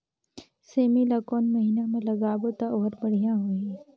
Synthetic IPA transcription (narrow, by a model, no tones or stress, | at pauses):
seːmilakoːnmɐɦiːnamẽlɐɡaːbot̪aoːɦɾbəɽ̤ijãɦoi